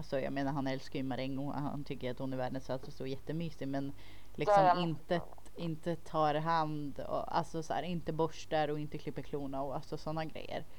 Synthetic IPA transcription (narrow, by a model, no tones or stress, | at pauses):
alsɔjɑ̰ːɡmeːnaɾɦhanɛlskyːmaɾɛŋɡɔŋa̰ha̰nt̪ʰʏkːəɾat̪hʊnæɾvæːɖənsɔat̪sɔst̪oːɾjɛt̪ːəmyːsɪmɛn | lɪksɔmmɪnt̪ə | ɪnt̪ət̪ʰɑːɾɦand̪ɔ̰a̰lsɔsæ̰ːɾɪnt̪əbɔʂɖæɾɔɪnt̪əkʰlɪpːəɾkʰluːnaɔalsɔsɔnːaɡɾɛ̰jːə̰ɾ